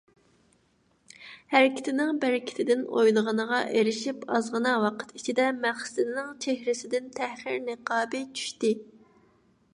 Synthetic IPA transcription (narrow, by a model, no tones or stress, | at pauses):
hæɾɪkʲʰɪ̥t̪ʰɪnɪŋbæɾɪkʲʰɪ̥t̪ʰɪd̪ɪno̰jlˠəʁənəʁɑʔeɾɪʃipɑzʁənɑwɑqʰə̥t̪it͡ʃʰid̪ɛmæχsɪlɪnɪŋt͡ʃʰehɾɪsɪd̪ɪnt̪ʰæhχɪɾnɨqɑːbɨt͡ʃʰy̥ʃt̪ɪ